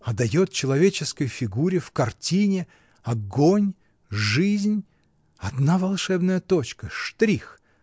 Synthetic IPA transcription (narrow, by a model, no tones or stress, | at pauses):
ɐd̪ɐjot̪̚t͡ɕɪlˠɐvʲet͡ɕɪskəjfʲɪɡuɾʲɪfkɐrtʲinʲɪ | ɐɡonʲ | ʐɨzʲnʲ | ɐd̪navɐlˠʂɛbnəjət̪ot͡ɕkəʂt̪ɾʲix